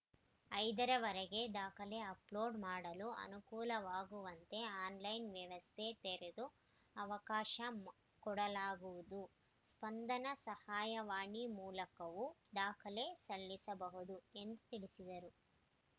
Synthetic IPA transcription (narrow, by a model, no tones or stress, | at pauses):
ɐjd̪ɐɾɐʋɐɾɛɡe̞d̪aːkʰɐle̞ɐplo̞ːɖmaːɽɐluɐ̰nukuːlɐʋaːɡuʋɐnt̪e̞aːnlɐjnʋjɐʋɐst̪ʰet̪eɾed̪u | ɐʋɐkaːʃɐ | kɔɽɐlaːɡuʋud̪u | spɐnd̪ɐnɐsɐhaːjɐʋaːɳimuːlɐkɐʋud̪aːkʰɐle̞sɐlːisɐbɐɦud̪ue̞nd̪ut̪iɭisid̪ɐɾu